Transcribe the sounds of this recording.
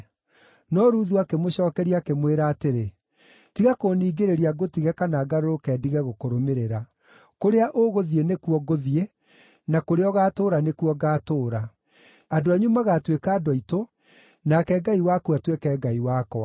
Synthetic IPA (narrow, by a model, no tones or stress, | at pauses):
nɔɾuːðuakemoɕɔːkɛɾiakemweɾaːteɾe | tiɣakoːniːɡeɾeɾiaɡotiɣɛkanaːɡaɾoɾokɛːdiɣɛɣokoɾomeɾeɾa | koɾeaʔoɣoðienekuwɔɡoðie | nakoɾeɔɣaːtoːɾanekwɔɡaːtoːɾa | adoaɲumaɣatwekaːdɔito | nakɛɡaiwakuatwekɛɡaiwakɔ